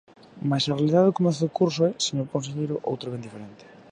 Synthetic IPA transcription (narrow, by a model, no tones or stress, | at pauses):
masɐrealiðaðeokomɛ̃nθoðokuɾsoɛseɲokõnseɣejɾʊʔo̰wt̪ɾoβend̪ifeɾent̪ɪ̥